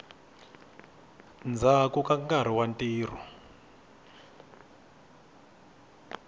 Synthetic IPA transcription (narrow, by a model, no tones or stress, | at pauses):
nd͡zʱakukaŋɡaɾ̤iwantʼiːr̤ɔ̰